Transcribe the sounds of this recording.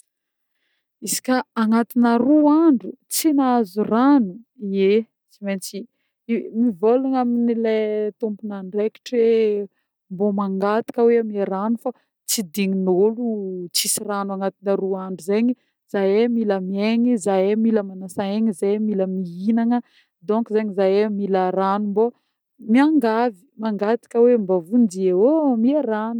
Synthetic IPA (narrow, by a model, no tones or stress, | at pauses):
isi̥kʲaaŋat̪inəruaɳɖ͡ʐut͡sinaazuranuie | t͡siment͡si | mivolaŋaminilet̪umpunaɳɖ͡ʐeki̥ʈ͡ʂe | mbomaŋɡat̪i̥kəweamieɾanufa | t͡sid̪iŋinolut͡sisiranwaŋat̪inəɾuaɳɖ͡ʐizeɲi | z̥ajemiləmieɲizajemiləmanasaeɲizamiləmiinaŋə | d̪ɔ̃ŋkizeɲizajemilaɾanumbo | miaŋɡavi̥maŋɡat̪i̥kəwembavundiewomiaɾanu